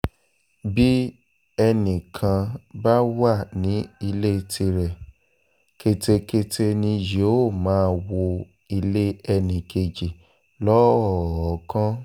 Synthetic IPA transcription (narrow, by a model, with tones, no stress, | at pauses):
bi˦ | ɛ˧nĩ˨kʰã˧ba˦wa˦˨nĩ˨˦i˧le˦˧tʰi˧ɾɛ˨ | ke˧te˧ke˧te˧nĩ˧jo˨˦o˦˨mãː˨˦˧wo˧ | i˧le˦ɛ˧nĩ˨ke˨d͡ʒi˨ | lɔ˦ɔ˦˨ɔ˨˦kã˦